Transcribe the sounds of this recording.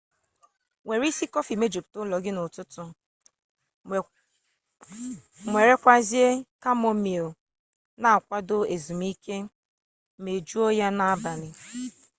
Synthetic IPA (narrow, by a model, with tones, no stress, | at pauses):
ŋʷe˨ɾi˦si˦kɔ˦fi˨me˦d͡ʒo˨p̚tʊ˦lɔ˨ɡɪ˦nʊ˨tʊ˦tʊ˦ | mʷe˨ɾe˦kʷa˦zi˦e˦ka˦mɔ˦mi˨ | na˨a˨kʷa˦do˦e˨zu˨m˦i˦kʰe˦ | me˨d͡ʒu˦o˦ja˦na˦a˦ba˨nɪ˨